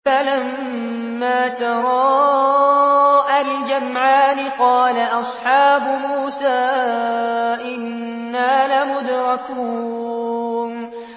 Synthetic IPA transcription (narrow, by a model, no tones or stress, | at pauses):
falamː | aːt̪ɑɾˤɑː | ʔald͡ʒamʕaːnɪqɑːlaʔɑsˤħɑːbʊmuːsaː | ʔɪnː | aːlamʊd̪ɾˤɑkuː | n